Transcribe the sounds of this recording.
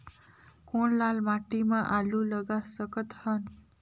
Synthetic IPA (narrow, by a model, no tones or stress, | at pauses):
konlalmaʈimãʔalulʌɡasʌkət̪hʌn